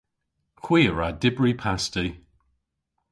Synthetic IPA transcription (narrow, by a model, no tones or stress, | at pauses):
kʰw̥iːəɹadɪbɹipʰasti